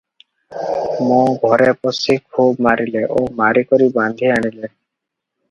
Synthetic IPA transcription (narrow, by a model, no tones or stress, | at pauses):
mɔ̃ɡʱɔɾepɔsikʰubmaɾileʔomaɾikɔɾibãnd̪ʱiaɽ̃ile